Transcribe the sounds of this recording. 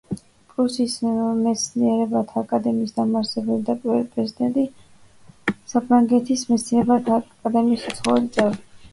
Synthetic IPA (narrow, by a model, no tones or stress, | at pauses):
pʼɾusismɛt̪sʰniɛɾɛbat̪ʰaːkʼad̪ɛmiːsd̪amaɾsɛbɛlid̪apʼwɛlipʼɾɛzid̪ɛnt̪ʼi | sapʰɾaŋɡɛt̪ʰismɛt̪sʰniɛɾɛbat̪ʰakʼad̪ɛmiːsɔt̪sʰχɔvɛlit̪sʼɛv